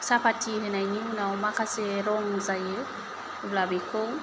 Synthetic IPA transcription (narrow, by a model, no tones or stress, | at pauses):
sapatiɾenaiɲihunaɔmakaseɾɔmuzaje | ublabiko